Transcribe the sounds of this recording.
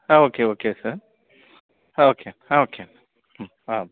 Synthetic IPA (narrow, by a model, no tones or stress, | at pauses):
aokeoːkesə | okʰeaokʰe | a